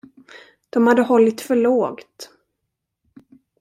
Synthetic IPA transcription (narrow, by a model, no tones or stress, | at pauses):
d̪̥ɔmhad̪ːəhɔlːɪt̪fœɭoːɡt̪